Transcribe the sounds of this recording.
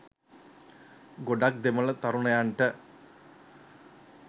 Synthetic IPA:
ɡoɖaːk̚d̪emɐɭɐt̪ɐɾuɳɐjaːɳʈɐ

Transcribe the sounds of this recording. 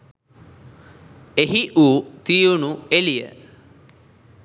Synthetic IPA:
eɦiʔuːt̪ijunuelijə̰

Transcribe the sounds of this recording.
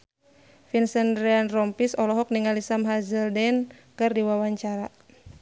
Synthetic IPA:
finsɛnɾɛanrɔmpisɔlɔɦɔk̚niŋalisamɦazəldɛnkɨrdiwawaɲt͡ʃaɾa

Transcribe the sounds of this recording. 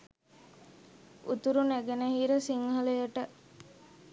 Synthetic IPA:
ṵt̪uɾunæɡenəɦiːɾəsiŋhələjəʈə

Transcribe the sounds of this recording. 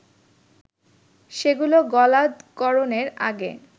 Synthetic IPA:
ʃeɡuloɡɔlad̪kɔɾoneɾa̰ɡḛ

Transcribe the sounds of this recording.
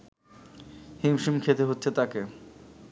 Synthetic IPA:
himʃimkʰet̪eɦotːɕʰet̪ake

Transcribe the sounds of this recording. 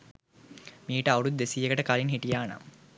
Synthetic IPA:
miːʈəauɽud̪esijekəʈəkalinɦiʈijaːna̰m

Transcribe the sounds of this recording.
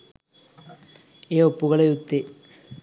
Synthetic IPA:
eːopːuɣɐɭeut̪ːe

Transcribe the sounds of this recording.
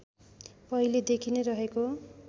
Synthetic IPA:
pʌiled̪ekʰineɾʌɦeko

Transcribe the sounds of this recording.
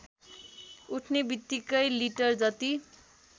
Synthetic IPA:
uʈʰnebit̪ːikʌjliʈʌrd͡zʌt̪i

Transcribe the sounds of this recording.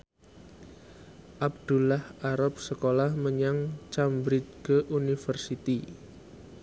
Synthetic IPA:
ʔab̚d̪̥ṳlahʔaɾap̚səkolahməɲaŋt͡ʃambɾit͡ʃɡ̥əʔunifərsit̪i

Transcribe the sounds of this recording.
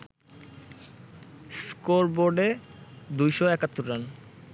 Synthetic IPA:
skoɾboɾɖed̪ujʃoɛkat̪ːoɾɾan

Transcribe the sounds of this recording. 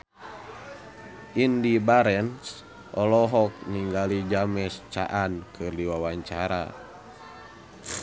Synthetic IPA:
ʔindibaɾɛns | ʔɔlɔɦɔk̚niŋɡalid͡ʒamɛst͡ʃa̰ʔankʰɨrdiwawaɲt͡ʃaɾa̰

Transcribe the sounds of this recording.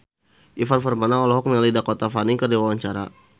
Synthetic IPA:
ʔifanfɔrmanaɔlɔɦɔk̚mɛlidakɔt̪afaniŋkərdiwawaɲt͡ʃaɾa̰

